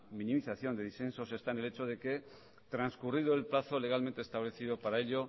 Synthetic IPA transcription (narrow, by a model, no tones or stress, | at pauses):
minimiθaθjo̞nd̪e̞ðisθe̞nso̞se̞st̪ane̞le̞t͡ʃo̞ð̞e̞ke̞ | t̪ɾanskurið̞oelplaθo̞le̞ɣ̞almẽnt̪est̪aβ̞le̞θiðopaɾae̞ʎo̞